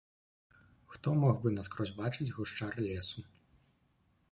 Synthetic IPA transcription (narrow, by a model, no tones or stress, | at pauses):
xt̪ɔmɔɣbɨnaskɾɔzʲbat͡ʂɨd͡zʲɣuʂt͡ʂarlʲɛsu